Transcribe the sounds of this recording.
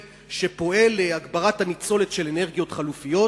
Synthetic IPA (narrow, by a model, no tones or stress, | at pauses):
ʃe̞po̞e̞leaɡbaʁathanit͡so̞le̞tʃelene̞ʁɡijo̞tχalufijo̞